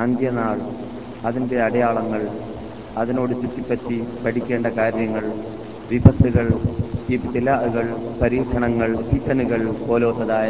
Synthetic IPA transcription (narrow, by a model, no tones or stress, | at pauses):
ɐnd̪jɐnaːɭ | ɐðinde̞ɐɽɐjaːɭɐŋːɐɭ | ɐðino̞ːɽut͡ɕːutːipːɐtːipɐʈikʲːe̞ːɳɖɐkaːɾjɐŋːɐɭ | ʋibʱɐsuɣɐɭitilaːuɣɐɭpɐɾiːʂʰɐɳɐŋːɐɭsitːɐnuɣɐɭpo̞ːloːt̪ːɐðaːj